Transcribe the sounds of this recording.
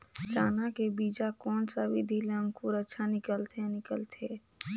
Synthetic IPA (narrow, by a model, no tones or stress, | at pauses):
t͡ʃaːnakebiːd͡ʒakɔːnsabid̪ʱileə̃ŋkuɾətːʃʰanɪkəlt̪ʰenɪkəlt̪ʰeː